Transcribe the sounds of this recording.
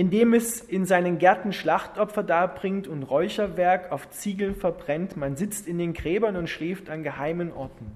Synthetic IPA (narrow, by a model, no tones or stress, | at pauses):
ʔɪndeːmɛsɪnzaɪnənɡɛɐtn̩ʃlaχtʔɔpfɐdaːɐbʁɪŋtʊntʁɔʏçɐvɛɐkaʊft͡siːɡl̩nfɛɐbʁɛntmanzɪt͡stɪndeːnɡʁɛːbɐnʊntʃlɛːftanɡəhaɪmənʔɔɐtn̩